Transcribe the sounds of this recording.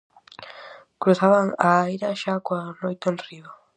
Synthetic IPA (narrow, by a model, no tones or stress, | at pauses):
kɾuθaβaŋajɾaʃakwanojt̪onriβa